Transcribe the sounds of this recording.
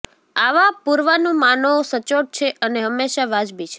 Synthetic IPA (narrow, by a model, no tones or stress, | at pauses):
aʋapuɾʋanũmanosət͡ʃoʈ̚t͡ʃʰeʔəneɦəmːeʃaʋad͡ʒbit͡ʃʰe